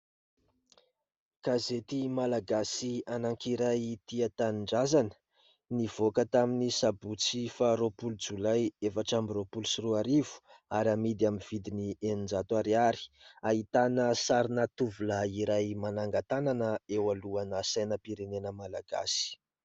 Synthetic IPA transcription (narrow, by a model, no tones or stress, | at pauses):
kazet̪imalaɡasianaŋkiɾajt̪iat̪anɳɖ͡ʐazanə̥ | nivokət̪aminisabut͡sifaɾopulud͡zulajefaʈ͡ʂamiropulusiruaɾivu̥aɾamid̪amiv̥id̪inienind͡zat̪uaɾiaɾi̥aɦit̪anəsaɾinat̪uvulaiɾajmanaŋɡat̪ananəewaluanəsajnəpiɾenenəmalaɡ̥a̰si̥